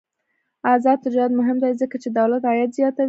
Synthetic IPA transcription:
azɑd̪̚t̪ɪd͡ʒɑɾad̪mʊɦɪmd̪ajzəkat͡ʃed̪awlat̪ɑjat̪zjɑt̪a

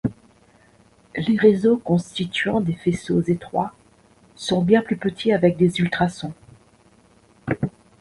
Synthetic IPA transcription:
leʁezokɔ̃st̪it̪ɥɑ̃d̪efesozet̪χwa̰ | sɔ̃bjɛ̃plypət̪ʰiavɛk̚d̪ezylt̪χasɔ̃

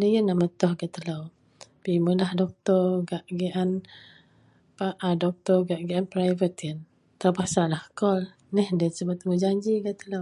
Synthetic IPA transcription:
dəjənːaʔmət̪ɔhɡat̪əlaw | piməlahdɔk̚t̪ɔɡaʔɡiʔan | paʔadɔk̚t̪ɔɡaʔɡiʔanpɾajvət̪ən | t̪apasalahkɔl | nɛhdət̪səbat̪əməd͡ʒaɲd͡ʒiɡat̪əlaw

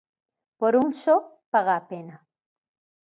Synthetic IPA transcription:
poɾunʃo | paʁapena

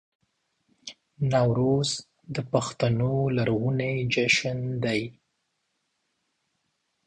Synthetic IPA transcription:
nɑwɾoz | d̪əpaxt̪anolaɾɣuned͡ʒaʃənd̪aj

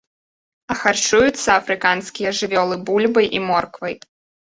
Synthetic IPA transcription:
ɐxart͡ʂujut̪sːɐːfɾɨkanskʲijɐʐɨvʲɔlˠɨbulʲbɐjʔimɔrkvɐj

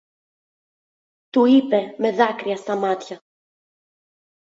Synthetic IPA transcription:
t̪uipeme̞ðɐkɾiɐst̪ɐmat̪çɐ

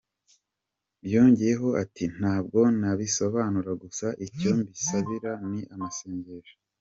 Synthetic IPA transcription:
bjoːɲɟije̞ɦo̞ʔatʰin̥aːb̚ɡo̞naβiso̞βaːnuɾaɡusaʔico̞mbisaβiɾaniʔamase̞ːɲɟeʒḁ

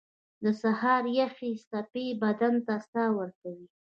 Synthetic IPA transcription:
d̪əsahɑɾjaxist̪apebad̪ant̪ast̪ɑwəɾkawi

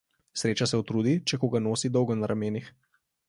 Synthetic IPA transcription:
sɾeːt͡ʃasɛut̪ɾuːd̪it͡ʃɛkoːɡanoːsid̪ɔwɡɔnaɾʔameːnix

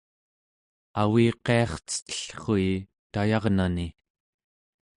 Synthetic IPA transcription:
awiːqe̞ɑχt͡sə̥t̪ə̥ɬχoi | t̪ajɑʁnani

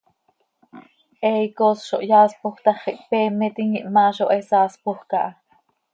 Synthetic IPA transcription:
ʔɛikosʃo̰ʔjɑːspoxt̪ɑχiʔpɛːmːɛt̪iŋiʔmɑːʃoʔesɑːspoxkɑʔɑ

